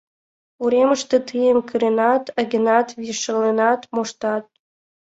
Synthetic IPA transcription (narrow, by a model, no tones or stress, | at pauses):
uɾʲemə̆ʃt̪ĕt̪ʰɨjəmkʰɯɾenɑt̪əɡʲɘ̆nɑt̪vʲiʃə̆lenɑt̪moʂt̪ɑt̪̚